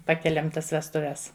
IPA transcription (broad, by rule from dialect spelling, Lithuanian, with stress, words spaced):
ˈpɑːkʲɛlʲɛm ˈtɐs ʋʲɛstʊˈʋʲɛs